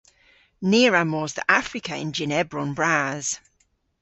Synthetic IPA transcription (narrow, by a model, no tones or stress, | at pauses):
niːɹamɔːzðə̰ʔafɹɪkʰəɪ̰̃nd͡ʒɪnɛbɹɔ̃nbɹaːz̥